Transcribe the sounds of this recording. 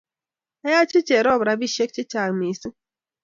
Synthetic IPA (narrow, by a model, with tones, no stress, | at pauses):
a˦ja˦t͡ʃɪ˦t͡ʃe˨ɾɔ˦˨bɾa˨˦bi˦ʃe˦k̚t͡ʃɪ˦t͡ʃa˨mi˨si˦